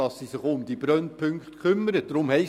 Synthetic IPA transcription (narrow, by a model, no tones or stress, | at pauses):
ɑsːisɪχʊmd̪ib̥ɾœnpʰʏŋkχtkʰʏmːəɾəd̥ɾʊmhɛɪ